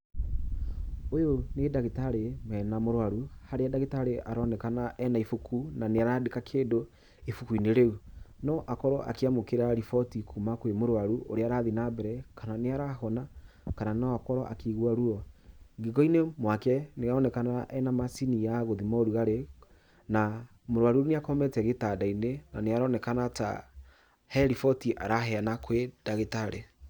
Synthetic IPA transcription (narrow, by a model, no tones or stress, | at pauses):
ojonedaɣetaɾemɛnamoɾwaɾuhaɾeadaɣetaɾeʔaɾɔnɛkanaʔɛnaifukʰunaneaɾadekakʰeːdo | efukuineɾeunɔʔakɔɾɔʔa̰keamokeɾaɾifɔtikʰumakwemoɾwaɾuʔo̰ɾeaɾaðinabɛɾɛkʰananeaɾahɔnakananɔakɔɾɔʔa̰kiɣwaɾuɔɡeɡɔinemwakɛneɣaɔnɛkanaʔɛnamasinijaɣoðimɔɾuɣaɾe | na | moɾwaɾuɾneakɔmɛtɛɣetadainenaneaɾɔnɛkanata̰ | hɛɾifɔtiʔa̰ɾaɦɛanakwedaɣetaɾe